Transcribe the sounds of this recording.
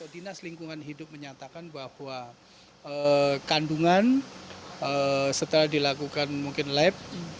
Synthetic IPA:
t̪odinasliŋkuŋanɦidʊp̚məɲat̪akanbahwa | əkanduŋan | əsət̪əlahdilakukanmuŋkɪnlɛp̚

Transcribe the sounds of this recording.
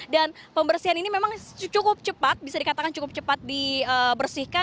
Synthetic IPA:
danpəmbərsiɦaninimemaŋt͡ʃukʊp̚t͡ʃəpat̪̚bisadikat̪akant͡ʃukʊp̚t͡ʃəpat̪̚diəbərsihka

